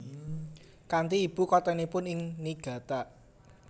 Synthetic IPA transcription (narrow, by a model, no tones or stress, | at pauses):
kant̪iːb̥ṳkɔt̪ɛnipʊnɪŋniɡ̥ä̤t̪aʔ